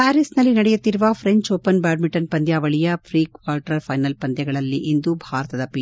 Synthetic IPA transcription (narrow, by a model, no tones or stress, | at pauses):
aːɾisnɐlːinɐɽɛjut̪ːiɾuʋɐpʰɾeɲt͡ʃoːpɐnbaːɾmiʈɐnpɐnd̪jaːʋɐɭijɐpʰɾiːkʋaːlʈɾɐɾpʰɐjnɐlpɐnd̪jɐɡɐɭɐlːiʔind̪ubʱaːɾɐt̪ɐd̪ɐpi